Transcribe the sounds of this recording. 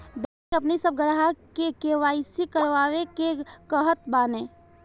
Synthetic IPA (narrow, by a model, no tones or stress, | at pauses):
d̪akeɐpnisəb̚ɡəɾɦakekeʋaːisikəɾʋaːwekekəɦət̪̚baːnẽː